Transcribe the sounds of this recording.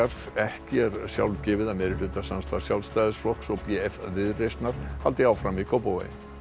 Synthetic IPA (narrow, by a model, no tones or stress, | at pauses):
aɾ̥ | ɛhcɪɛɾsja̰wlcɛːvɪðamɛɾɪlʏt̪asanst̪ḁsjawlst̪aːjðɪsflɔksɔɣpɛɛfvɪðrejst̪naɾ̥halt̪ɪaːwfɾamikʰowpowḛj̰